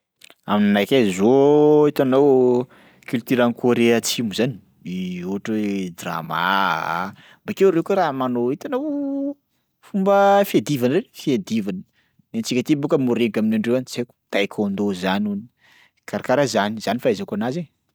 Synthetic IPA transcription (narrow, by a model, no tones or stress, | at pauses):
a̰minanajkʲazoit̪anaw | kylt̪iɾankʰoɾeat͡simuzani | iuʈ͡ʂəd̪ra̰ma̰ | mbakewɾewkuɾamanoit̪anaw | fumbəfied̪ivanrefiad̪ivanə | nent͡sikʲət̪ibukəmuɾekaminaɳɖ͡ʐewant͡seku̥t̪ajkʰʲond̪ozanuni | kaɾakaɾazaniz̥anifaizakanazeɲ